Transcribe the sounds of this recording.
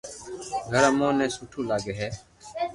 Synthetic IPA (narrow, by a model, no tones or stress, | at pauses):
ɡʱəɾaːmõːnɛ̃ːsuːʈʰũːlaːɡeːɦɛː